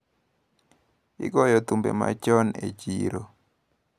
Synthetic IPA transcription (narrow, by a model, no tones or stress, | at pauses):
ɪ̰ɡɔjɔt̪umbḛma̰t͡ʃɔnet͡ʃiɾo